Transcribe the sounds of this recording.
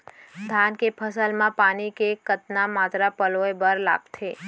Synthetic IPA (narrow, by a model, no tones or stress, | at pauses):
d̪ʱankepʰəsəlmãpanikekət̪namat̪ɾapəloebəɾla̰ɡt̪ʰe